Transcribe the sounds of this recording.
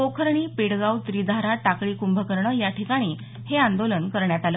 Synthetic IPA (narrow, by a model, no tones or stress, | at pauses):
okʰəɾɳ̃iːpeɽɡawt̪ɾid̪ʱaɾaʈakɭiːkumbʱəkəɾɳəːjaʈʰikaɽ̃iː | heãnd̪olənkəɾɳjat̪alə